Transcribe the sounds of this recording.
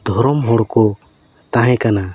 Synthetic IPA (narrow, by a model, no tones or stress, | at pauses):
d̪ʱɔɾɔmɦɔɽkɔ | t̪ãɦɛ̃kana